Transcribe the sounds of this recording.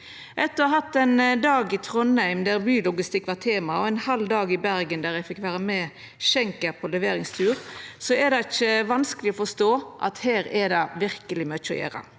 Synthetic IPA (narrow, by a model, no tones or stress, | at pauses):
ʔɛt̪ːəɦɑt̪ːɛnd̪ɑːɡɪt̪ʰɾɔnhæɪmd̪æɾbyːlʊɡɪst̪ɪkːʋɑt̪ʰeːmɑɔɛɪnhɑld̪ɑːɡɪbæɾɡənd̪æːɾjæfɪkʋæːɾəmɛ | ʃɛŋkəɾpʰɔlɛʋeːɾɪŋst̪ʰʉːɾsɔɛd̪ɛɪçəʋɑnskəlɪɔfɔst̪oːʔɑ̰t̪heːɾɛd̪ɑʋɪɾkəlɪmœt͡ʃːɔ̰jḛːɾə̰